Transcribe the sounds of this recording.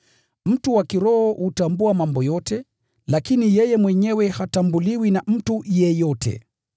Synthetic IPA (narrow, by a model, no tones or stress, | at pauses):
m̩tuwakiɾɔhɔhutambuamambɔjɔtɛ | lakinijɛjɛmwɛɲɛwɛhatambuliwinam̩tujɛjɔtʰɛ̰